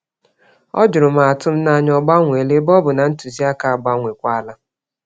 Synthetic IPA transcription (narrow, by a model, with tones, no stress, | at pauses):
ɔ̰˦d͡ʒʊ˨ɾʊ˨m̩a˨a˨tʊ˦m̩˦na˦ɲɔ˦ɡ͡ba˦ŋʷe˨le˦bɔ˦bʊ˨na˨n̩˦tu˨zi˦a˦ka˨a˨ɡ͡ba˦ŋʷe˨kʷa˦la˦